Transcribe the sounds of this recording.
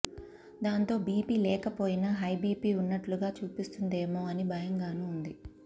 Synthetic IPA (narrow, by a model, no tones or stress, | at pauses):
d̪aːnt̪o̞ːbiːpiːlɛːkɐpo̞ːjinaɦɐjbiːpiːunːɐʈluɡaːt͡ʃuːpist̪und̪e̞ːmoːɐnibɐjɐŋɡaːnuːnd̪i